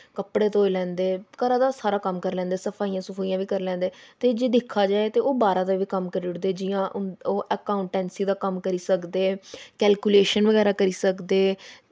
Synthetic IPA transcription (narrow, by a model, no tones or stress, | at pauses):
kəpɽeːt̪ːoeːlɛ̃ːnd̪eːkəɾãːd̪aːsaːɾaːkəmkəɾlɛ̃ːnd̪eːsəpʰaːijãːsʊpʰaːiːãːʋiːkəɾlɛ̃ːnd̪eːt̪eːd͡ʒeːd̪ɪkʰːaːd͡ʒaːeːt̪eːoːbaːɾãːd̪aːʋiːkəmkəɾʊʈd̪eːd͡ʒɪjãːʔoːʔəkaːʊɳʈɛːnsiːd̪aːkəmkəɾiːsəkd̪eːkɛːlkuːleːʃənʋəɡɛːɾaːkəɾiːsəkd̪eː